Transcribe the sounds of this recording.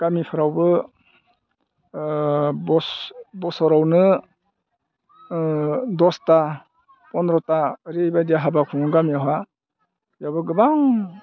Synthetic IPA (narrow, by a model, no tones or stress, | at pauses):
ɡ̥amipʰɯɾawbɯ | bɔsbɔsɔɾawnɯ | dɔsta | pɔnɾɔtaɾejbajdijaɦabakʰuŋɯɡamiawɦa | jawbɯɡɯbaŋ